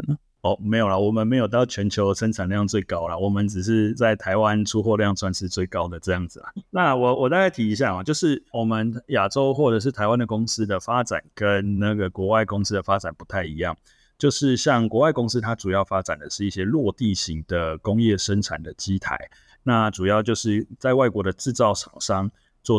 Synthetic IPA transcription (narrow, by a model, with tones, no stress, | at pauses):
ɔ˥˩me˧˥ɪjo˨˩la˨wɔ˨˩mə˨nm˧˥ɪjo˨˩ʊt̪ɑ˥˩ʊt͡ɕʰɥɛ˧˥nt͡ɕʰjo˧˦ʊʂə˥nʈ͡ʂʰa˨˩nljɑ˥˧ŋt͡swe˥˩ɪkɑ˦˥ʊla˨wɔ˨˩mə˨˦nʈ͡ʂɻ̩˨˩ʂ̬ɻ̩˥˧t͡sa˥˩ɪt̪ʰa˧ɪwa˦nʈ͡ʂʰu˥xwɔ˥˧ljɑ˥˧ŋswa˥˧nʂɻ̩˥˧t͡swe˥˩ɪkɑ˦ʊd̪ə˨ʈ͡ʂɤ˥˧jɑ˥˩ŋd͡z̩˨˩la̰˨˩na˥˨wɔ˨˩wɔ˨˩t̪a˥˧ka˥ɪt̪ʰi˧˥i˧˥ɕ̬ja˥˩ma˨˩t͡ɕjo˥˧ʊʂɻ̩˥˩wɔ˨˩mə˨nja˨˩ʈ͡ʂo˦ʊxwɔ˥˩ʈ͡ʂɤ˨˩ʂ̬̩˥˩t̪ʰa˧˥ɪwa˦nd̪ə˨kʊ˥ŋs̩˥d̪ə˨fa˦˥ʈ͡ʂa̰˨˩nkə˦nna˥˩ɡə˩kwɔ˧˥wa˥˩ɪkʊ˥ŋs̩˥d̪ə˨fa˦˥ʈ͡ʂa˨˩npu̥˧˥t̪ʰa˥˩ɪi˧˦jɑ˥˩ŋ | t͡ɕjo˥˧ʊʂɻ̩˥˧ɕjɑ˥˩ŋkwɔ˧˥wa˥˩ɪkʊ˥ŋs̩˥t̪ʰa˥ʈ͡ʂu˨˩jɑ˥˩ʊfa˥ʈ͡ʂa˨˩nd̪ə˩ʂɻ̩˥˧i˥˩ɕjɛ˥lwɔ˥˧t̪i˥˩ɕi˨˦ŋd̪̥ə˨kʊ˥ŋjɛ˥˩ʂə˦nʈ͡ʂʰa̰˨˩nd̪ə˩t͡ɕi˥t̪ʰa̰˧˦ɪ | na˥˩ʈ͡ʂu˨˩jɑ˥˧ʊt͡ɕjo˥˧ʊʂɻ̩˥˩t͡sa˥˧ɪwa˥˩ɪkwɔ˧˥d̪ə˨ʈ͡ʂɻ̩˥˧t͡sɑ˥˩ʊʂʰɑ̰˨˩ŋʂɑ˥˧ŋ | t͡swɔ˥˩